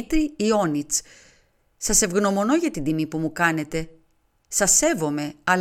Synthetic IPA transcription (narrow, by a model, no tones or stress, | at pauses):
t̪ɾiːo̞nit͡s | sɐse̞vɣno̞mo̞no̞ʝɐt̪ind̪imipumukɐne̞t̪e̞ | sɐse̞vo̞me̞ɐ